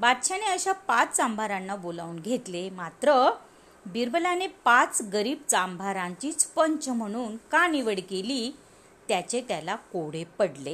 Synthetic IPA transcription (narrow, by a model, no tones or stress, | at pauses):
bat̪ɕaneəɕapat͡st͡sãmbʱaɾanːabolauːnɡʱet̪lemat̪ɾə | biɾbəlanepat͡sɡəɾiːb̚t͡sambʱaɾãɲt͡ɕiːt͡spəɲt͡ɕəm̤əɽ̃uːnkaniʋəɽkeliː | t̪jat͡ɕet̪jalakoɽ̤epəɽle